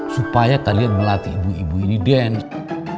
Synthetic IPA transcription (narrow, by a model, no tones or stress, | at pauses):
supajakalianmulat̪iibuibuinidɛn